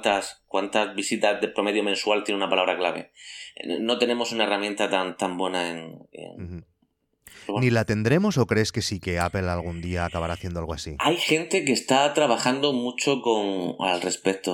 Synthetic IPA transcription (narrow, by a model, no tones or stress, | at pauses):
t̪askwant̪azβisit̪azðepɾome̞ðjomẽ̞nswalt̪jeneunapalaβɾaklaβe̞̰ | no̞t̪e̞nẽ̞mo̞sunae̞ramjent̪at̪ant̪ambwe̞naeŋḛn | nilat̪e̞nd̪ɾe̞mo̞so̞kɾe̞ske̞sike̞ape̞lalɣund̪iaːkaβaɾaːθje̞nd̪oalɣoasiajxe̞nt̪e̞k̬eːst̪at̪ɾaβaxand̪omut͡ʃo̞koŋa̰lrespek̚t̪o